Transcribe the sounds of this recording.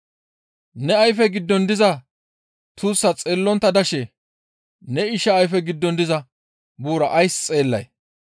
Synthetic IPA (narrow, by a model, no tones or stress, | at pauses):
nɛɐjfɛɡɪd̪ːɔnd̪ɪzɐ | t̪uːsːɐt͡sʼe̞ːlːɔnt̪ːɐd̪ɐʃɛ | nɛɪʃɐːjfɛɡɪd̪ːɔnd̪ɪzɐ | buːɾɐʔɐjst͡sʼe̞ːlːɐ̰j